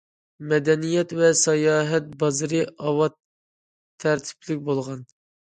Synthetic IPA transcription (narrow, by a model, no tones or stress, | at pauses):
mɛd̪ɛnijɛt̪vɛsɑjɑːɦɛt̪̚bɑzɨɾɨʔɑwɑt̪ʰː | æɾt̪ʰi̥pʰlɪk̚ʲbolˠʁɑn